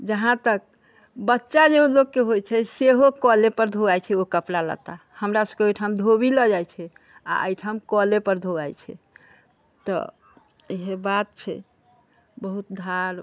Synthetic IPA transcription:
d͡ʒəɦãt̪ək̚ | bətːʃad͡ʒeɦolokːeɦojt͡ʃʰɛseɦokɔlepəɾd̪ʱoɡajt͡ʃʰɛokəplalə̰t̪ahəmɾasəkeojʈʰamd̪ʱoβiləd͡ʒajt͡ʃʰɛ | a̰ʔə̰jʈʰamkɔlepəɾd̪ʱoɡa̰jt͡ʃʰɛ̰ | t̪ɔ̰ | eɦebat̪̚t͡ʃʰɛ̰ | bəɦut̪̚d̪ʱaɾ

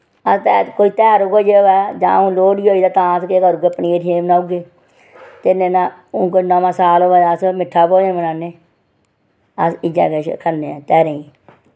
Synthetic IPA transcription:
əst̪ɛkoːiːt̪ɛːɾokod͡ʒeːoɛːd͡ʒã̰ːʊ̃ːloːɽiːoːiːd̪aːt̪ãːt̪keːkəɾuɡeːpniːeʈʰeːmnãːʊɡeː | t̪enẽːnaːʊ̃koːnaːmãːsaːloːaːasmɪʈʰːaːpoːd͡ʒẽːmənaːneː | əsɪd͡ʒa̰ːkeʃkʰəneːɛːt̪ɛːɾeːĩ

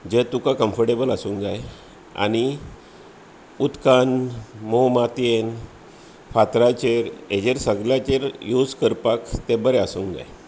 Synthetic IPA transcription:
d͡ʑet̪ukakəmfəɾʈebəlasuŋd͡zaj | a̰ni | ut̪kanmomat̪en | fat̪ɾat͡ɕeɾed͡ʑeɾsəɡljat͡ɕeɾjud͡zkəɾpakt̪ẽbəɾɛasuŋd͡za̰j

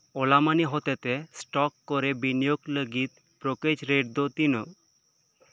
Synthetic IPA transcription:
olamaniɦot̪et̪esʈɔkːoɾebinijokləɡit̪̚ | pɾoked͡ʑɾeɖd̪ot̪ino

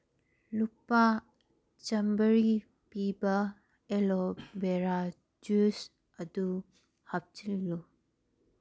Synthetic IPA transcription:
lupa | t͡ʃɐmbəɾi | pibɐ | elobeɾa | d͡ʒus | ɐdu | hap̚t͡ʃilːu

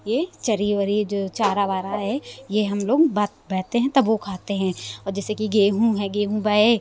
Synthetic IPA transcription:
jeːt͡ʃɐɾiːʋəɾid͡ʒoːt͡ʃaːɾaʋaːɾaɦɛjeɦɐmloːɡbat̪bɛːt̪eɦɛ̃t̪ɐbokʰaːt̪eɦɛ̃ːɔːɾd͡ʒɛːsekiɡeːɦũɦɛɡeːɦũbaːe

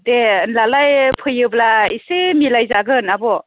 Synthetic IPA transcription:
denlalajpʰɯjɯblaisemilajzaɡɯnabɔ

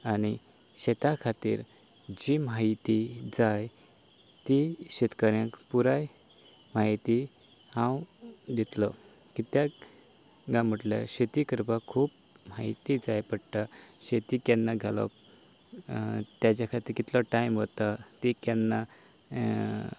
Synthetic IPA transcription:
añi | ɕet̪akʰat̪ḭːɾ | d͡ʑimait̪id͡zaj | t̪iɕet̪kaɾjãkpuɾaj | mait̪i | hãwd̪it̪lɔ | kit̪ja | ɡãm̤əʈla̰ɕet̪ikəɾbakʰːuːp | mait̪id͡zajpəɽt̪aɕet̪ikjanːaɡʱalɔ̰p | t̪jat͡ɕakʰat̪iːɾkit̪lɔʈajmɦot̪at̪ikjanːa

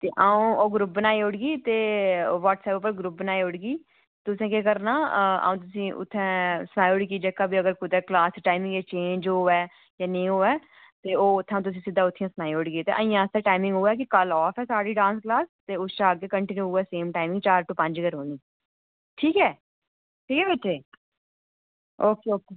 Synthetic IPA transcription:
t̪eːʔaːũːoːɡɾʊp̚bənaːiʊɽɡiːt̪eːʋɔːʈsɛːpʊp̬ːəɾɡɾʊp̚bənaːiʊɽɡiː | t̪ʊsẽːkeːkəɾnaːa̰ːũːt̪ʊsĩːʔʊ̰t̪ʰːɛ̃ːsənaːiʊɽk̬iːd͡ʒəːkaːbiːəɡəɾkʊd̪əklaːsʈaːɪmɪ̃ŋɡet͡ʃẽːɲd͡ʒɦoːɛː | jaːnẽĩːɦoːɛː | t̪eːoːʊt̪ʰːãt̪̬ʊs̬ĩːsɪd̪aːʊt̪ʰːijãːsnaːiʊɽɡiːt̪ḛʔə̰ĩːjãːst̪ɛːʈaːɪmɪ̃ŋɡɦoːɛːk̬ɪkəlɔːfʰɛːsaːɽiːɖãːnsklaːst̪eːʊʃaːɡekəɳʈɪnjuːɦoːɛːseːmʈaːɪmɪ̃ŋɡt͡ʃaːɾʈuːpə̃ɲd͡ʒəɡəɾɦoːnd̪iː | ʈʰiːkɛː | ʈʰiːkɛːʋɪʈʰːeː | oːkeːoːkeː

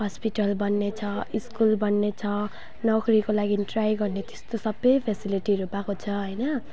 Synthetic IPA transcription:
ɦʌspiʈʌlbʌnːet͡sʰʌiskulbʌnːet͡sʰʌ | nʌɡɾikolaɡiʈrajɡʌrnet̪e̥st̪osʌbːʌjpʰesiliʈiɾupakot͡sʰʌɦʌjnʌ

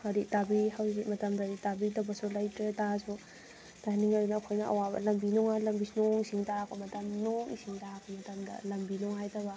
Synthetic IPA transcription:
ɐɾitabihawzimɐtɐmdɐɾitabidɐbɐsulɐjtɾetasu | tajniŋɐdunɐːkʰojnɐɐ̰wabɐ̰lɐmbinɔŋalɐmbisunoŋisiŋtakɐmɐtɐmnoŋḭsiŋtakɐmɐtɐmdɐ̰lɐmbinɔŋɦajdɐbɐ

